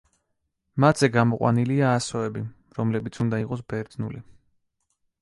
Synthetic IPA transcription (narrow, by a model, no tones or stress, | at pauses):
mat̪zɛɡamɔqʼwa̰niliaːsɔɛbi | ɾɔmlɛbit̪sʰund̪aiqʼɔs̬bɛɾd̪nuli